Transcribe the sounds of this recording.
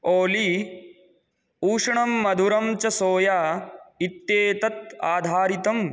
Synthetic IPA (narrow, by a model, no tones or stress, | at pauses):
oːli | uːʂɐɳɐmːɐd̪ʱuɾɐmt͡ʃɐsoːjaːit̪jeːt̪ɐt̪̚aːd̪ʱaːɾit̪ɐm